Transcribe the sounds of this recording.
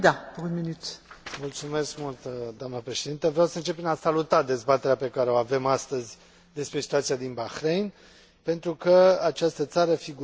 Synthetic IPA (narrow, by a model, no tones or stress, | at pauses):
d̪apuʁunminyt̪mult̪sume̞skmult̪d̪oamnəpɾeʃe̞d̪int̪əvɾjawsəɨnt͡ʃe̞pːɾinasalut̪ad̪e̞zbat̪e̞ɾeape̞kaɾe̞o̞ave̞mast̪əzʲ | d̪e̞spɾe̞si̥t̪uat̪siad̪inbaxɾejn | pe̞nt̪ɾukəat͡ʃast̪ət̪saɾəfiɡu